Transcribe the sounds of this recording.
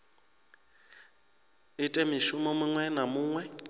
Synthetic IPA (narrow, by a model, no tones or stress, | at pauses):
ɪtʼɛmɪʃʊmɔmʊŋwɛnamʊːŋwɛ